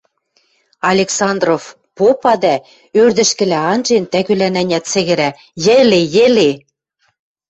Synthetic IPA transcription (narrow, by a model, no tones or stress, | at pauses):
ɑlʲeksɑnd̪rof | popɑd̪æ | ørd̪ɘ̆ʃkɘ̆læɑnʒent̪æɣylænænʲæt̪t͡sɘ̆ɣɘ̆ɾæ | jɘ̆lejɘ̆le